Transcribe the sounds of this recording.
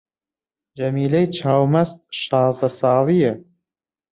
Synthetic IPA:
d͡ʒɐmiːlɐjt͡ʃʰaːwmɐst̪̚ʃɑːzd̪ɐsɑːlˠijə

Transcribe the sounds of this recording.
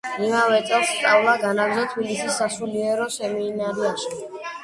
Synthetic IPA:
imavɛt̪sʼɛlˠst̪sʼavlˠaɡanaɡzɔt̪ʰbilisisːasuliɛɾɔʃɛmiːnaɾiaʃi

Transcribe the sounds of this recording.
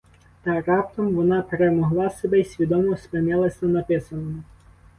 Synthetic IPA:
t̪ɐrɑpt̪ɔmʋɔnɑpeɾemɔɦlˠɑsebɛisʲʋʲid̪ɔmɔspɪnɪlˠɐsʲnɐnɐpɪsɐnɔmɪ

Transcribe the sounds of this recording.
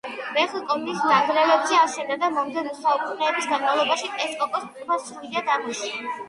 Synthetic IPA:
ɾɛχlˠkʼɔp̪ʰismaɡɾɛvɛbzɛasɛnad̪amɔmd̪ɛnɔsaukʰuχnɛːbisɡanmavlˠɔbaʃit̪ʼɛskʼɔkʼɔsp̪tʼbasɾuid̪ad̪amɔʃun

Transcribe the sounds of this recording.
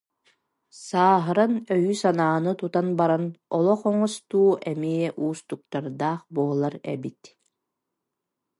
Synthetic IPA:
saːɦɯɾanœjyːsanaːnɯt̪ut̪anbaɾanɔlˠɔχɔŋɔst̪uːʔɛmiɛʔuːst̪uk̚t̪aɾd̪aːχbuɔlˠaɾɛ̰bit̪

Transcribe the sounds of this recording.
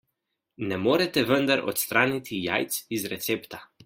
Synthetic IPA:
nɛmoːɾɛt̪ɛʋənd̪aɾɔ̰t̪st̪ɾaːnit̪ʰija̰ːjt̪sizɾɛt̪seːpt̪a

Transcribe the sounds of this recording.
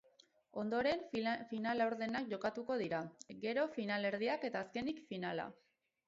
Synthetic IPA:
o̞nd̪o̞ɾe̞ɱfinalawɾðe̞nakʝo̞kat̪uko̞ðiɾaɡe̞ɾo̞finale̞ɾð̞iake̞t̪aːske̞nikfinala̰

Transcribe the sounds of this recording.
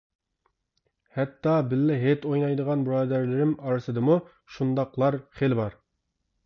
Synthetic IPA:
hɛt̪ːɑbɪlːɪɦet̪ojnɑjd̪əʁɑnbɾɑːd̪æɾlɪɾɪmɑɾɨsɨd̪ɨmu | ʃund̪ɑqlˠɑɾχelbɑɾ

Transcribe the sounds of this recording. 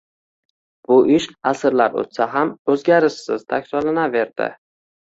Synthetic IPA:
b̥ʊʔɪʃasɾlaɾo̰t̪saɦamɵzɡʲaɾɪʃsɪzt̪ʰakʲsɒlanave̞ɾd̪ɪ̰

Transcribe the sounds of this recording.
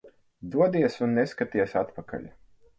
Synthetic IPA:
d̪uɔd̪iɛsunːeskat̪iɛsat̪paka̰ʎʲ

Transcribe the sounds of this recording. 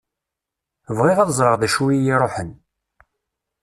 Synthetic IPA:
vʁɪʁaðzˤɾəʁðæʃuwijiɾˤoħən

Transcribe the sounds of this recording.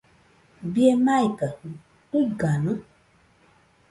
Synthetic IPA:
bjemaikə | tuɡanə

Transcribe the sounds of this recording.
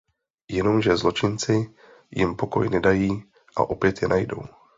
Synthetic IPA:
jɛno̞mʒɛzlo̞t͡ʃɪnt͡sɪ | jɪmpo̞ko̞̰jnɛdajiː | ʔa̰ʔo̞pjɛt̪jɛnʔajdo̞̰w

